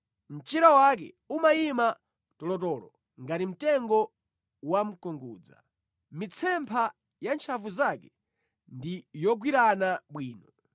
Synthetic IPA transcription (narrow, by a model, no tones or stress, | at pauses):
m̩t͡ʃiɾawak̬ɛ̰ | umaima | tɔlɔtɔːlɔ | ŋɡatim̩tɛŋɡɔ | wam̩kɔŋɡuːd͡za̰ | mit͡sʰɛmpʰa | jant͡ʃʰavuzakɛ | ndijɔɡwiɾanaɓwiːnɔ